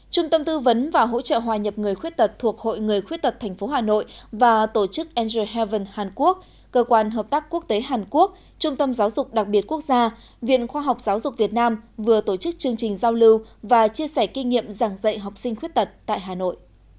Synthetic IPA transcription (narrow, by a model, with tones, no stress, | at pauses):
t͡ɕʊ˧ŋ͡mt̪ə˧mt̪ɨ˧və˨˦nvaː˨˩ɦo̰˧˥t͡ɕə̰ː˧˨ɦwaː˨˩ɲə˨˩p̚ŋɨ˨˩əjxwi˦˥t̚t̪ə˨˩t̚t̪ʰu˨˩ək̚ho̰˧˨jŋɨ˨˩əjxwi˦˥t̚t̪ə˨˩t̚t̪ʰɛ˨˩ŋ̟fo˨˦ɦaː˨˩no̰˧˨jvaː˨˩t̪o˧˩t͡ɕɨ˦˥k̚ʔɛ˧nze˧˩ɦɛ˧və˧˩nhaː˨˩nku˦˥ək̚ | kəː˧kwaː˧nɦəː˨˩p̚t̪aː˦˥kːu˦˥ək̚t̪e˨˦ɦaː˨˩nku˦˥ək̚ | t͡ɕʊ˧ŋ͡mt̪ə˧mzaː˨˦wzʊ˨˩k͡p̚ɗa˨˩k̚ɓi˨˩ət̚ku˦˥ək̚zaː˧ | vḭ˧˨ənxwaː˧ɦa˨˩wk͡p̚zaː˨˦wzʊ˨˩k͡p̚vi˨˩ət̚naː˧mvɨ˨˩ət̪o˧˩t͡ɕɨ˦˥k̚t͡ɕɨ˧əŋt͡ɕï˨˩ŋ̟zaː˧wlɨ˧wvaː˨˩t͡ɕi˧əsɛ˧˩ki˧ŋḭ˧˨əmzaː˧˩ŋzə̰˧˨jɦa˨˩wk͡p̚sï˧ŋ̟xwi˦˥t̚t̪ə˨˩t̚t̪a̰ː˧˨jɦaː˨˩no̰˧˨jʔ